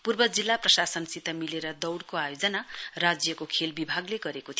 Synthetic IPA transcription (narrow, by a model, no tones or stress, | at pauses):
purbʌd͡zilːaprʌsasʌnsit̪ʌmileɾʌd̪ʌwɽkoajod͡zʌnarad͡zjʌkokʰelbibʱaɡleɡʌɾekot̪ʰio